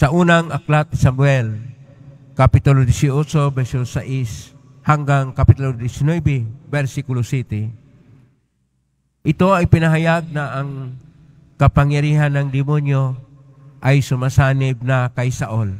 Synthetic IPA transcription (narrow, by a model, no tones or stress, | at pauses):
sɐʔuːnaŋʔaklat̪̚ɪsamuɛl | kapɪt̪olod̪isiot͡ʃobɛɾsosaʔis | haŋɡaŋkapɪt̪old̪ɪsɪnwɛbɛbɛɾsikulosit̪ɪ | ʔɪt̪oajpɪnaɦajaɡ̚naʔːŋ | kɐpaŋjaɾiːɦanːɐŋd̪ɪmonjo | ʔajsʊmasaːnɪb̚nakajsaʔol